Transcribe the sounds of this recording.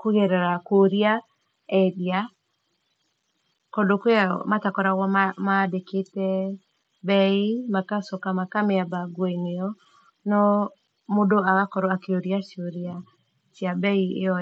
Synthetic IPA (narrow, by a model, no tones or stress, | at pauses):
koɣɛɾɛɾakoɾia | ɛdia | kodokea̰matakɔɾaɣwɔmadeketɛ | bɛimakasɔkamakameabaɡwɔineɔ | nɔ | modoaɣakɔɾɔakeoɾijaʃoɾia | ʃiabɛiḛɔ